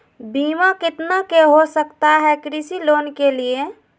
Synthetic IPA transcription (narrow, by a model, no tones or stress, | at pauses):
bimakɪt̪nakeɦosəkt̪aɦɛkɾisilonkelie